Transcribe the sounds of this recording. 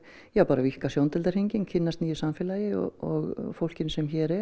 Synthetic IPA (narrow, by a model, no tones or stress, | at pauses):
jawpaːɾavihkasjownt̪ɛlaɾhiɲcɪncʰɪnːast̪niːjʏsamfɪːlajɪɔ̰ɔɣfowl̥cɪnsɛmçɛːɾɛ